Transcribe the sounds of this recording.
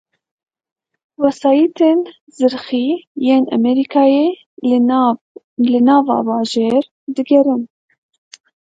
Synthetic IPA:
wɛsɑːjit̪ʰeːn | zɨɾxijeːnɛ̰mɛɾikʰɑːjeː | lɨnɑːvɑ̰ːbɑːʒeːɾ | d̪ɨɡɛɾɨn

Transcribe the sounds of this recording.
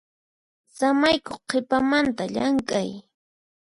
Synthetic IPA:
samajkoχqepamant̪aʎaŋkʼaj

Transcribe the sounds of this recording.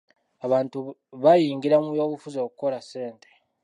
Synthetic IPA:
aβaːntuβajiːŋɡiɾamujo̞ːβufuzo̞ːkuko̞lase̞ːnte̥

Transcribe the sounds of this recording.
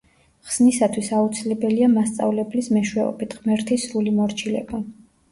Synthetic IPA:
χsnisat̪ʰwisaut̪sʰilɛbɛliamast̪sʼa̰vlɛblismɛʃwɛɔ̰bit̪ʰʁmɛɾt̪ʰisɾulimɔɾt͡ʃʰilɛ̰ba

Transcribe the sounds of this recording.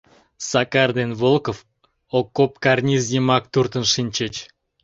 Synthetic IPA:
sɑkɑrd̪envolˠkof | okːop̚kɑrnʲizjemɑk̚t̪urt̪ənʃinʲt͡ɕet͡ɕ

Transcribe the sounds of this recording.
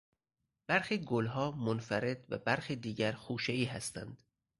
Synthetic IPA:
b̥æɾxiːɡolɦɒːmonfæɾe̞d̪̥væ̰bæɾxiːd̪iːɟæɾxuːʃeiːɦæst̪ænd̪̥

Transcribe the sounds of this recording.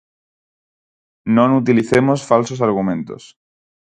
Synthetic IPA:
nõnut̪̬iliθemosfalsos̬aɾɣ̞umẽnt̪o̰s

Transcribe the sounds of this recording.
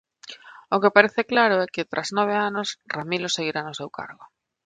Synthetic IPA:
ʊkɪpaɾeθɪklaɾʊɛkɪt̪ɾʔaznɔβ̞eanʊsramilʊseɣiɾanʊsewka̰ɾɣʊ

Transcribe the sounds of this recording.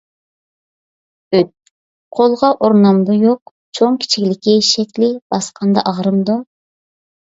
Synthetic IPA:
øt̪̚ | qʰolˠʁɑʔoɾnɑmd̪ujoq̚ | t͡ʃʰoŋkʲʰi̥t͡ʃʰikʲlɪkʲiʃɛk̪ʲlɪb̥ɑsqʰɑnd̪ɑ̰ʔɑʁɾɨmd̪u

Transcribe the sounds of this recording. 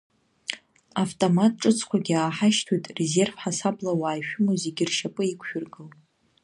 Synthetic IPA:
aftʼomatʼʈ͡ʂʼɨt͡sʰkʷaɡʲiaːħaʃtʰujtʼreze̞rvħasablawaːjʃᶣʊmozeɡʲɪrʃapʼɨikʷʰʃᶣʊrɡɨl

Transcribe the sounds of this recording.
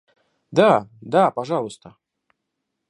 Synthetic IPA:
d̪ad̪apɐʐɑlˠəst̪ə

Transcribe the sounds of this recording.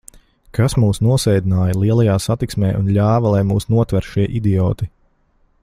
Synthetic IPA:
kasmuːsnuɔsɛjd̪inaːjɐlˠiɛlˠɐjaːsat̪iksmɛːʔunʎʲaːvɐlˠajmuːsnuɔt̪vɛɾʃiɛʔid̪iɔːt̪i

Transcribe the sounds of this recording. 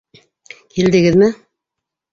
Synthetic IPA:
kild̪ɘ̆ɡɘðmɘ

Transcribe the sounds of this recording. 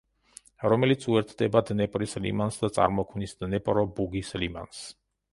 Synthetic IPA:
ɾɔmɛlit̪sʰuɛɾt̪ʰd̪ɛbad̪nɛpʼɾislḭmansd̪at̪sʼa̰ɾmɔkʰmnisd̪nɛpʼɾɔbuɡislima̰ns

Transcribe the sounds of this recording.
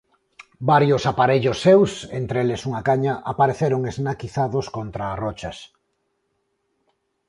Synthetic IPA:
baɾjosapaɾeʎʊsːewsent̪ɾelesuŋakaɲaʔapaɾeθeɾoŋeznakiθaðoskont̪ɾaːrɔt͡ʃɐs

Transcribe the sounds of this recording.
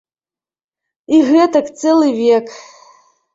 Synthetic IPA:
iɣɛt̪ɐkt̪sɛlˠɨvʲek

